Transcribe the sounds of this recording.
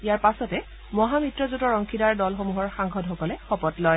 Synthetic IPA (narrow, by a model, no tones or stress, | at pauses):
ijaɹpasɔtɛ | mɔɦamitɹɔzutɔɹɔŋkʰidaɹdɔlxomuɦɔɹxaŋɡɔdxɔkɔlɛxɔpɔtlɔj